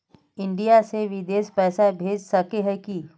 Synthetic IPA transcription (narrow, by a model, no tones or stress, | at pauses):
ɪ̃ɳɖijaseʋɪd̪eːʃpɛːsabʱeːd͡ʒsɐkeɦɛki